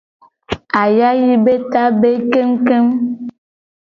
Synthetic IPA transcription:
a˨ja˦ji˦be˦ta˦be˦ke˦mke˦m

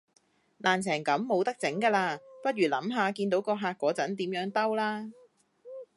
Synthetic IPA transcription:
nʔaː˨˩nt͡sʰɛː˨˩ŋkɐ˨˥mːo˨˧wt̪ɐ˥k̚t͡sɪ˨˥ŋkaː˧laː˧pɐ˥t̚jyː˨˩lɐ˨˥mɦaː˨˧kiː˧nt̪̬o˨˥wkɔː˧ɦaː˧k̚ʷːɔː˨˥t͡sɐ˨˥nt̪iː˨˥mjœː˨˥ŋt̪ɐ˥wlaː˥

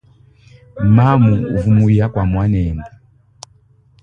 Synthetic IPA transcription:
ma˦mu˨vu˨mu˨ja˦kwa˨mwa˦nɛ˨ma˨

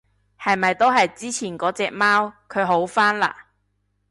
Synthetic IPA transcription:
hɐ˨jmɐ˨jt̪o˥wɦɐ˨jt͡siː˥t͡sʰiː˨˩nkɔː˨˥t͡sɛː˧k̚maː˥wkʰɵ˨˧ɥɦo˨˥wfaː˥nla̰ː˧

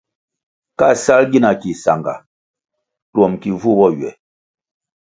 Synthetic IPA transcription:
ka˦˨sa˦lɡi˦na˨ki˨sa˨ŋɡa̰˨ | twɔ˨mki˨vu˦bɔ˦˨ɥɛ̰˨

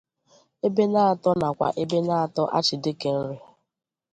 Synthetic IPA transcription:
e˦be˦na˦a˨tɔ˦na˨kʷa̰˨ʔe˦be˦na˦a˨tɔ˦ʔa̰˦t͡ʃɪ˨dɪ˦ke˨n̩˦ɾʊ˦

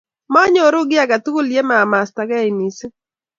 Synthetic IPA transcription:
mɔ˦ɲɔ˨ɾʊ˦ɡɪ˦a˨ɡa˨t̪u˦ko˦lje˦ma˨ma˨sta˨ɡa˦i˨ni˨s

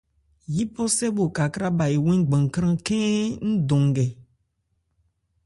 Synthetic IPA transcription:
ji˦pɔ˦sɛ˦bo˨ka˨kɾa˦ba˨je˨wẽ˦ŋ˦ɡ͡bã˨ŋ˨kɾ̃ã˦kɛ̃˦ŋ̩̃˦d̪õ˨ŋ˨ɡɛ˨

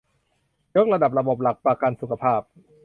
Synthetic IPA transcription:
jo˦˥k̚ɾa˧da˨˩p̚ɾa˧bo˨˩p̚la˨˩k̚pɾa˧ka˧nsu˨˩kʰa˧pʰaː˥˩p̚

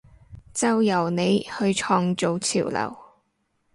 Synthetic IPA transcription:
t͡sɐ˨˧wjɐ˨˩wne˨˧jhɵ˧ɥt͡ʃʰɔː˧ŋt͡so˨˧wt͡sʰḭː˨˩wlɐ̰˨˩w

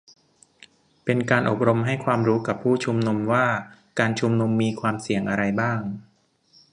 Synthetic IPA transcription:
pe˧nkaː˧nʔo˨˩p̚ɾo˧mɦa˥˩jkʰwaː˧mɾuː˦˥ka˨˩pʰːuː˥˩t͡ɕʰu˧mnu˧mwaː˥˩kaː˧nt͡ɕʰu˧mnu˧mːiː˧kʰwaː˧msi˨˩əŋʔa˧ɾa˧jbaː˥˩ŋ

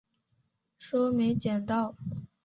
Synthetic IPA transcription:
ʂɔ˥me˧˥ɪt͡ɕjɛ˨˩nt̪ɑ˥˩ʊ

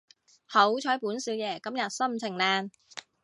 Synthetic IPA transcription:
ho˨˥wt͡ʃʰɔː˨˥jpuː˨˥nsiː˨˥wjɛː˨˩kɐ˥mjɐ˨t̚sɐ˥˩mt͡sʰɪ˨˩ŋlaː˧n

